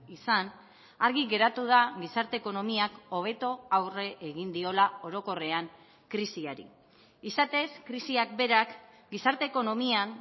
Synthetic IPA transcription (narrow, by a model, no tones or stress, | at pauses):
isan | aɾɣiɣe̞ɾat̪uðaɣisaɾt̪e̞ːko̞no̞miako̞β̞e̞t̪o̞awre̞ʔːɣind̪io̞lao̞ɾo̞ko̞re̞aŋ | kɾisiaɾḭ | isat̪e̞skɾisiak̚be̞ɾak | ɡisaɾt̪e̞ːko̞no̞mian